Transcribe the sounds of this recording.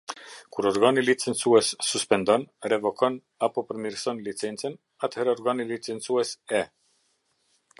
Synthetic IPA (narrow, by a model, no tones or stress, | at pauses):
kuɾɔɾɡanilit͡sɛnsuɛsːuspɛnd̪ɔnrɛvɔkɔn | apɔpəɾmiɾsɔnlit͡sɛnt͡sən | at̪hɛɾɔɾɡanilit͡sɛnt͡suɛsɛ